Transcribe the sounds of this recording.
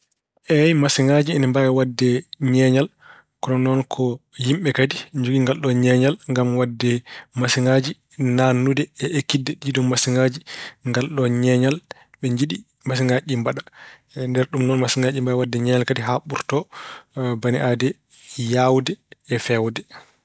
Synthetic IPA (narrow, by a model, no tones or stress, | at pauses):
ʔɛjmasiŋɡad͡ʒiɛnimbaɛwadːɛɲɛɲal | kɔnɔnɔnkʰɔjimɓɛkadid͡ʒuɡiŋɡalɗɔɲɛɲalŋɡamwadːɛmasiŋɡad͡ʒi | nanːudɛɛʔekːidːɛɗiidɔmmasiŋɡad͡ʒiŋɡalɗɔɲɛɲal | ɓɛɲd͡ʒiɗi | mas̬iŋɡad͡ʒimbaɗa | ndɛɾɗumnɔnmasiŋɡad͡ʒimbaɛwadːɛɲɛɲalkadiɦaɓuɾtɔ | baniʔadɛ | jawdɛːfɛwdɛ